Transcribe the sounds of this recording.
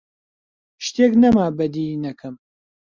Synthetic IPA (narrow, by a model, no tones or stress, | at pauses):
ʃt̪eːknɐmaːbɐd̪inɐkʰɨm